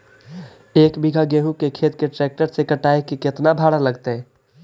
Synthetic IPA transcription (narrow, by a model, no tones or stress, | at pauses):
eːkbiɡʱaɡeɦũkekʰet̪keʈɾɛk̚ʈəɾsekəʈaekiket̪nabʱaɽaləɡt̪e